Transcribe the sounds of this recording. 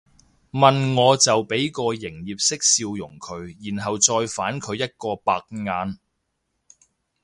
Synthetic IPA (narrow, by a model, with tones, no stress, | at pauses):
mɐ˨nŋɔː˨˧t͡sɐ˨wpe˨˥jkɔː˧jɪ˨˩ŋjiː˨p̚sɪ˥k̚siː˧wjʊ̰˨˩ŋkʰɵ˨˧ɥjiː˨˩nɦɐ˨wt͡ʃɔː˧jfaː˨˥nkʰɵ˨˧ɥjɐ˥t̚kɔː˧paː˧k̚ŋaː˨˧n